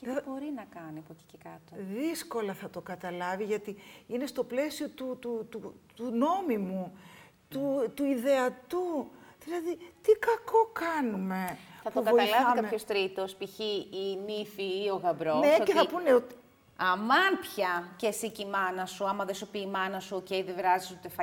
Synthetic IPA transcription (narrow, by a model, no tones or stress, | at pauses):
cbo̞ɾinɐkɐniɐpoci̥cekɐt̪oðisko̞lɐθɐt̪o̞kɐt̪ɐlɐviʝɐt̪iine̞st̪o̞ple̞sio̞t̪ut̪ut̪ut̪uno̞mimu | t̪ut̪uiðe̞ɐt̪uðilɐðit̪ikɐko̞kɐnume̞θɐtp̪ouvkɐoɐlɐvikɐmpçost̪ɾit̪ospiçiimifiːo̞ɣɐbɾoneceθɐpuneot̪i̥ | ɐmɐnpçɐcesicimɐnɐsuɐmɐðesopiːmɐnɐsuoceiðevɾɐzisut̪efɐ